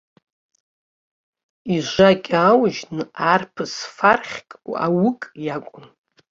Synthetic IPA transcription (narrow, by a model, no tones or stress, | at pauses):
iʒʷakʲʼawʒnɨarpʰɨsfarχʲkʼa̰wʊkʼjakʷʼʊn